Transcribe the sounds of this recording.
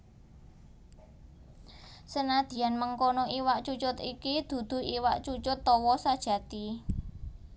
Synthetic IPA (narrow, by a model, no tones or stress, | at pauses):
sənad̪̥i̤janməŋkonoʔiwaʔt͡ʃut͡ʃʊt̪ikid̪̥ṳd̪̥ṳiwaʔt͡ʃut͡ʃʊt̪ːɔwɔsad̥ʒ̥ä̤t̪i